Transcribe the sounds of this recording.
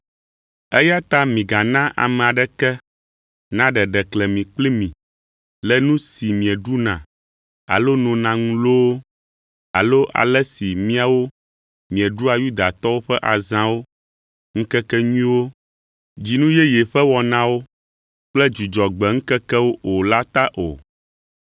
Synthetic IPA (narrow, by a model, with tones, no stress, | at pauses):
ɛ˦ja˦t̪a˦mĩ˨ɡa˨nã˦ʔa̰˨mɛ̃˨a˨ɖɛ˦kɛ˦ | nã˦ɖɛ˨ɖɛ˨klɛ˨mĩ˨k͡pli˦mĩ˨ | lɛ˨nũ˦si˨mĩ˨ɛ˨ɖu˦nã̰˨ | a̰˨lo˦nɔ̃˨nã˨ŋũ˦lo˦wo˦ | a̰˨lo˦ʔa̰˨lɛ˦si˨mĩ˦a˨wo˦ | mĩ˨ɛ˨ɖu˦a˨ju˦d̪a˨t̪ɔ˦wo˦ɸɛ˦ʔa˨zã˦wo˦ | ŋ̩˦kɛ˦kɛ˦ɲĩ˦wo˦ | d͡ʑi˨nũ˦jɛ˦jɛ˨ɸɛ˦wɔ˨nã˦wo˦ | k͡plɛ˦d͡ʒu˨d͡ʒɔ˨ɡ͡bɛ˨ŋ̩˦kɛ˦kɛ˦wo˦ʔo˨la˦t̪a˦ʔo̰˨